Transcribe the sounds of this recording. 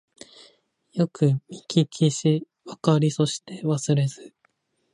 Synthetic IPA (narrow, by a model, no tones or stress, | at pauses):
jo̞kɯ̟mʲikʲʰikʲʰiɕi | βakaɾʲiso̞ɕi̥t̪e̞βasɨɾe̞zɨ